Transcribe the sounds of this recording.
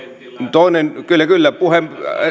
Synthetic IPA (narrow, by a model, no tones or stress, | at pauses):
t̪oˑinenkylːækylːæpuhem